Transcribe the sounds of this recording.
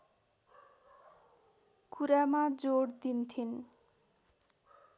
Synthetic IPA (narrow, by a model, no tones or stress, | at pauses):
kuɾamad͡zoɽd̪int̪ʰin